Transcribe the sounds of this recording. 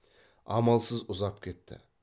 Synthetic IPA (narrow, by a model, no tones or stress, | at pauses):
ɑ̰mɑlˠsəzʊzɑp̚kʲʰe̞t̪ːɪ̰